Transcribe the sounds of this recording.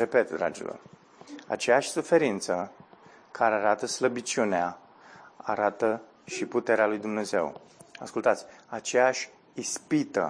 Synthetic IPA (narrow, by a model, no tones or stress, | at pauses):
ɾe̞pe̞t̪d̪ɾa̰d͡ʒḭlo̰r | a̰t͡ʃejaʃʲsufe̞ɾint̪sə | kʰaɾeaɾat̪əsləbit͡ʃunea | a̰ɾat̪ə | ʃiput̪e̞ɾealujd̪umne̞ze̞̰w | askult̪at̪sʲat͡ʃe̞jaʃʲ | ispit̪ə̰